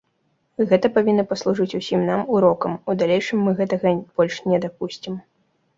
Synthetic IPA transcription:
ɣɛt̪ɐpavʲinːɐpɐslˠuʐɨt͡sʲusʲimn̪amuɾɔkɐmud̪alʲejʂɨmːɨɣɛt̪ɐɣɐb̥ɔlʲʂnʲɛd̪apusʲt͡sʲim

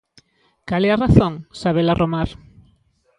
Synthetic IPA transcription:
kalearaθõŋsaβelaromaɾ

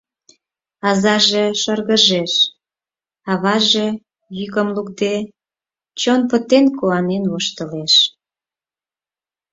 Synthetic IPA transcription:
ɑzɑʒeʃərɣəʒeʃ | ɑβɑʒe | jykə̆mlukd̪e | t͡ɕonpət̪enkuɑnenvoʃt̪əleʃ

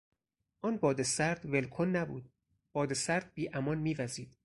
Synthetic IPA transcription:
ʔɒːnbɒːd̪esæɾd̪̥velkʰonːæbuːd̪̥̚ | b̥ɒːd̪esæɾd̪̥̚biːʔæmɒːnmiːvæziːd̪̥

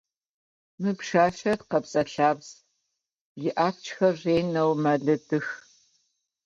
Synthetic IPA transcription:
mɨpʂaːʃɐrqɐpsʼɐɬaːbz | ʒɪʔaːkt͡ʃʰʼxɐʐeːnɐwmɐɮɨdɨx

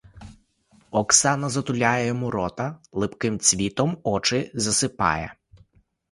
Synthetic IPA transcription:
ɔksɑnɐzɐt̪ʊlʲajɛjɔmʊɾɔt̪ɐlˠɪpkɪmt͡sʲʋʲit̪ɔmɔt͡ʃɪzɐsɪpɑ̰jɛ̰

